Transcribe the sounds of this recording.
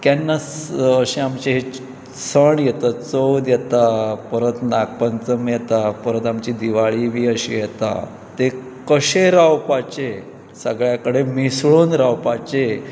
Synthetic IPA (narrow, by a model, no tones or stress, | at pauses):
t̪janːaəɕẽamt͡ɕeɦe | səɳjet̪at͡səwd̪jɛt̪apəɾət̪nak̚pənt͡səmjet̪apəɾət̪amt͡ɕiːd̪iʋaɭiʋiːəɕḭjet̪a̰ | t̪e | kəɕeɾawpat͡ɕe | səɡɭjakəɽemisɭoːnɾawpat͡ɕe